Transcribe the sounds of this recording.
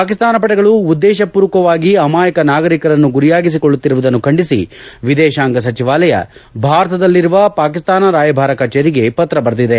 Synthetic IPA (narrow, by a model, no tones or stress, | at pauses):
paːkist̪aːnɐp̬ɐʈɐɡɐɭuud̪ːɛːʃɐpuːɾɐkɐʋaːɡiɐmaːjɐkɐnaːɡɐɾikɐɾɐnːuɡuɾijaːɡis̬ikoɭːut̪ːiɾuʋud̪ɐnːukʰɐɳɖisḭʋid̪ɛːʃaːŋɡɐs̬ɐt͡ʃiʋaːlɐjɐ̰bʱaːɾɐt̪ɐd̪ɐlːiɾuʋɐpaːkist̪aːnɐɾaːjɐbʱaːɾɐkɐt͡ʃːeɾiɡe̞pɐt̪ɾɐbɐɾɐd̪id̪e